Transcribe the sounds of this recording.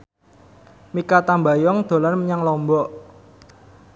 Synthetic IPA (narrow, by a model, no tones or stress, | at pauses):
mikat̪ambajɔŋd̪̥o̤lanməɲaŋlɔmbɔʔ